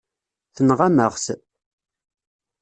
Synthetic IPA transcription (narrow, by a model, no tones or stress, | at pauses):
θənʁaməʁs